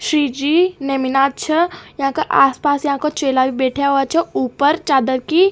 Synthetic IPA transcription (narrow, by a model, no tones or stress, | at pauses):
ʃɾiːd͡ʒiːnemɪnaːt͡ʃʰəjɐɦãkaʔaːspaːsjɐɦãkot͡ʃeːlabʱibɛːʈʰjaoat͡ʃʰɛuːpəɾt͡ʃaːd̪əɾki